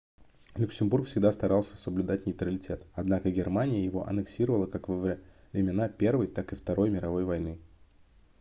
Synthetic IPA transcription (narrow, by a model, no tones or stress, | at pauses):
lʲʊksʲɪmbuɾrkfsʲɪɡd̪ast̪ɐɾalˠsʲə̥səblʲʉd̪atʲnʲɪjt̪ɾəlʲɪtʲe̞t̪ɐd̪nakəɡʲɪrmanʲɪjəjɪvo̞ʔɐ̰nɨksʲiɾəvəlˠəkakvɐv | vɾʲɪmʲɪnapʲe̞rvəjt̪akɨft̪ɐɾo̞jmʲɪɾɐvo̞jvɐjnɨ